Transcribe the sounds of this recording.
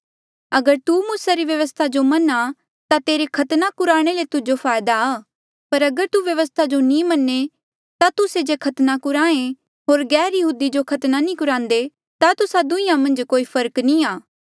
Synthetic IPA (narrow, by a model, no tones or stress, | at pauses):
ɐɡəɾt̪umuːsaɾiʋjɐʋəst̪ʰad͡ʒomɐna | t̪at̪eːɾekʰɐt̪nakʊɾaːɽ̃elet̪ʊd͡ʒopʰaːjd̪aaː | pɐɾɐɡəɾt̪uʋjɐʋəst̪ʰad͡ʒonĩmɐnːe | t̪at̪ʊsed͡ʒekʰɐt̪nakʊɾaːẽ | ɦoːɾɡɛːɾjɐɦuːd̪id͡ʒokʰɐt̪nanĩkʊɾãːnd̪e | t̪at̪ʊsad̪ʊ̃ɪ̃jãmɐ̃nd͡ʒkoːipʰɐɾknĩaː